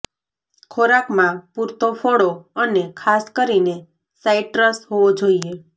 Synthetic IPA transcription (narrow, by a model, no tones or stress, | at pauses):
kʰoɾakmãpuɾt̪ofoɽoənekʰaskəɾine | saiʈɾəsɦoʋod͡ʒoie